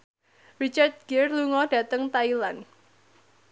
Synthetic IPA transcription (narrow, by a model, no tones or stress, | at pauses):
rit͡ʃart̪̚ɡ̥ɛrluŋɔd̥ä̤t̪əŋt̪ailan